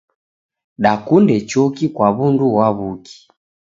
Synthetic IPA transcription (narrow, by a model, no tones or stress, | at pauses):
ɗakundɛt͡ʃɔkikwaβunduwaβuki̥